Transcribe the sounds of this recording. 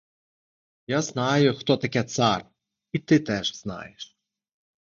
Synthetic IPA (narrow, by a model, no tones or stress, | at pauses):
jaznɑjʊxt̪ɔt̪ɐkʲɛt̪sar | it̪ɪt̪ɛʒz̥nɑ̰jɛʃ